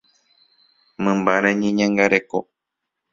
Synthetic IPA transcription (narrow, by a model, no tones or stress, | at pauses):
mɨ̃mbaɾeɲĩɲãŋɡaɾeko